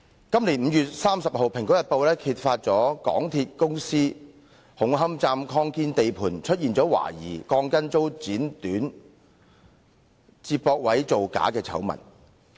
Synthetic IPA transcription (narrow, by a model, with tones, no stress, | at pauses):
kɐ˥mli˨˩nm̩ː˨˧jyː˨t̚saː˥msɐ˨p̚ɦo˨wpʰɪ˨˩ŋkɔː˨˥jɐ˨t̚po˨˧wlɛː˥kʰiː˧t̚faː˧t̚t͡ʃɔː˨˥kɔ̰ː˨˥ŋt̪ʰiː˧t̚kʊ˥ŋsiː˥ | hʊ˨˥ŋɦɐ˥mt͡saː˧mkʰɔː˧˥ŋkiː˥nt̪e˨jpʰuː˨˩nt͡ʃʰɵ˥t̚jiː˨nt͡sɔː˨˥wa̰ː˨˩jḭː˨˩kɔː˧ŋkɐ˥nt͡so˥wt͡siː˨˥nt̪yː˨˥n | t͡siː˧p̚pɔː˧k̚wɐ˨˥jt͡so˨wka̰ː˨˥kɛː˧t͡sʰɐ̰˨˥wmɐ̰˨˩n